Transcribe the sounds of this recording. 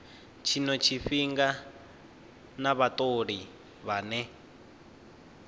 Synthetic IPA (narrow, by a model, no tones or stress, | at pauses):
t͡ʃʰinɔt͡ʃʰiɸiŋɡa | naβatoɺi | βanɛ